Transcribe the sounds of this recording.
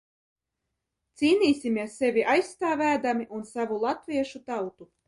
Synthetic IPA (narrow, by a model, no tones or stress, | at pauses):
t̪siːnʲiːsʲimʲiɛsːevʲiʔajst̪aːvæːd̪amiʔunsavulˠat̪vʲiɛʃut̪awt̪u